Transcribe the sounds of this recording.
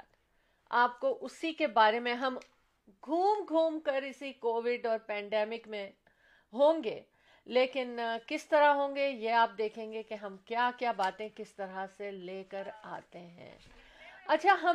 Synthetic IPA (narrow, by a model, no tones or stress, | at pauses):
t̪ | aːp̚koʔʊsikebaːɾemẽɦɐm | ɡʱuːmɡʱuːmkəɾɪsikoːʋɪɖɔːɾpɛ̃ːɳɖɛːmɪkmẽ | ɦõːŋɡḛː | leːkɪnkɪst̪ɐɾaɦõːŋɡejeaːp̚d̪eːkʰẽːŋɡekeɦɐmkjaːkjaːbaːt̪ẽkɪst̪ɐɾaseleːkəɾa̰ːt̪eɦɛ̰̃ː | ɐtːʃʰaɦɐ